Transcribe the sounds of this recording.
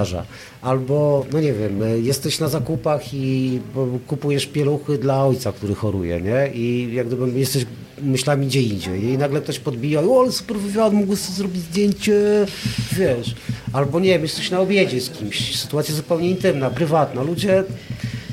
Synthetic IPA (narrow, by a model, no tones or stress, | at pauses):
ʐa̰ | ʔalbɔnɔɲɛvʲjɛmjɛst̪ɛɕnazakupaxi | kupujɛʂpʲjɛluxɘd̪laɔjt̪sakt̪uɾɘxɔɾṵjɛ̰ɲɛijaɡd̪ɘbɘjɛst̪ɛɕ | mɘɕlamʲiɡd͡ʑɛind͡ʑɛjinaɡlɛk̚t̪ɔɕpɔd̪bʲijaiɔlsu̥pɛɾvɘvʲjad̪muɡwɛst̪ɛzɾɔbʲid͡ʑzd̪ʲjeɲt͡ɕɛ | vʲjɛʂalbɔɲɛvʲɛmjɛst̪ɛɕnaɔbʲjed͡ʑɛskʲimɕsɘ̥t̪uwat̪sʲjazupɛwɲɛint̪ɘmnapɾɘvat̪nalud͡ʑɛ